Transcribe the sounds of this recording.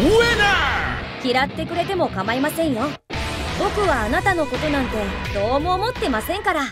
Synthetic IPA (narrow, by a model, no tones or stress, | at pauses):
ɯena | kʲiɾat̪ːe̞kɯ̟ɾe̞t̪e̞mo̞kamaimasẽ̞ɰ̃jo̞ | bo̞kɯ̟βaːnat̪ano̞ko̞t̪o̞nãnt̪e̞d̪̥o̞ːmo̞ːmo̞t̪ːe̞masẽ̞ŋkaɾa